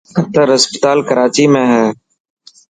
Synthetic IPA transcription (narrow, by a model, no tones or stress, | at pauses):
t̪əɾəspət̪aːlkəɾaːt͡ʃiːmẽːɦɛː